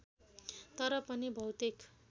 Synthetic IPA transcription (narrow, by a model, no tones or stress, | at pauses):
t̪ʌɾʌpʌnibʱʌwt̪ik